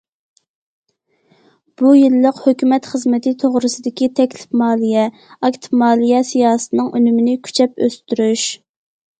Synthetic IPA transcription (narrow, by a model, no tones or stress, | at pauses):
b̥ujilːəqhøkʲymɛt̪χəzmɪt̪ʰɪt̪ʰoʁɾɨsɨd̪ɪkʲit̪ʰɛkʲlɪ̥fmɑːlˠijɛ | ɑkʲt̪ʰɪpmɑːlˠijɛsijɑːsɨ̥t̪ʰɨnɨŋønymɪnɪkʲʰy̥t͡ʃʰɛpøst̪yɾyʃ